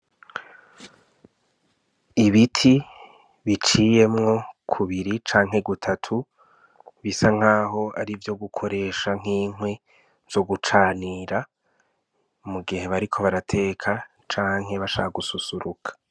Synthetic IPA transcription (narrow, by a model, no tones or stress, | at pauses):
iβitʰi | βit͡ʃiːje̞mŋo̞kʰuβiɾit͡ʃaːŋɦe̞ɡutʰatʰu | βisaŋ̥aːɦo̞a̰ɾivjo̞ɡukʰo̞ɾe̞ːʃaŋ̥iːŋwe̞ | zo̞ɡut͡ʃaːniːɾa | muɡihe̞βaɾikʰo̞βaɾatʰe̞ːkʰa | t͡ʃaːŋ̥he̞βaʃa̰aɡususuɾukʰḁ